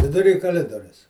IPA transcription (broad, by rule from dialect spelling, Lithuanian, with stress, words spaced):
ʋʲɪdʊˈrʲiː kɐˈlʲɪdoːrʲʊs